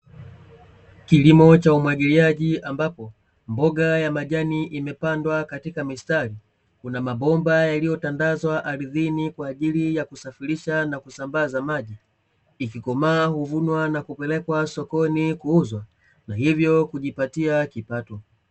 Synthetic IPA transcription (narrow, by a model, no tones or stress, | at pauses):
kilimɔt͡ʃaumwaɡiliaʄiʔambapɔ | mbɔɡajamaʄaniʔimɛpandwakatikamistaɾi | kunamabɔmbajalijɔtandazwaʔaɾiðinikwaːʄilijakusafiɾiʃanakusambazamaʄiː | kikɔmaːhuvunwanakupɛlɛkwasɔkɔnikuuzwa | nahivjɔkuʄipatiakipatɔ